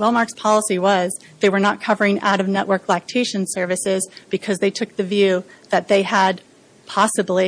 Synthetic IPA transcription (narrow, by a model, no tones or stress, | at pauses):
wɛlˠmɑɹkspʰɑlˠəsiwʌz | ðeɪwə˞nət̚kʰʌvə˞ɪ̃ŋa̰ʊɾʌvnɛʔwɜ˞klæk̚tʰeɪʃɨ̃nsɜ˞vɨsɪzb̥ɨkʰʌzðeɪtʰʊk̚ðɨvjʉðɨt̪̚ðeɪəd̚ | pʰɑsɨbli